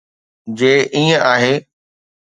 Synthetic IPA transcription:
d͡ʑeːʔiːə̃ʔaːɦeː

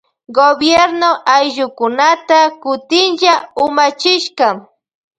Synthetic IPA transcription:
ɡobjeɾnoʔajʒʊkʊnat̪akʊt̪ɪnʒaʊmat͡ʃɪʃkam

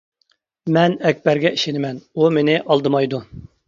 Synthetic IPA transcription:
mɛnɛkʲbɛɾɡʲɛiʃenɪmɛnumenɪʔɑlˠd̪ɨmɑjd̪u

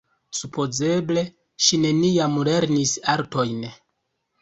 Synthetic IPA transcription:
supʰo̞ze̞ble̞ | ʃine̞niamle̞ɾnisaɾto̞jn

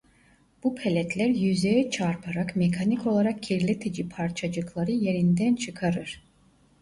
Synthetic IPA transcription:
b̥upʰelʲɛt̪ʰlʲæɾjyzejɛt͡ʃʰaɾpʰaɾakmekʰaniko̞lˠaɾak̚cʰiɾlʲet̪ʰed͡ʒipʰaɾt͡ʃʰad͡ʒɯklˠaɾɯje̞ɾind̪ænt͡ʃʰɯkʰaɾɯɾ̥

